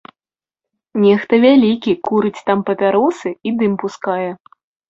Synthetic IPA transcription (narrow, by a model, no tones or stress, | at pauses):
nʲɛxt̪ɐvʲalʲikʲikuɾɨt͡sʲt̪ampɐpʲaɾɔsɨid̪ɨmpuskajɛ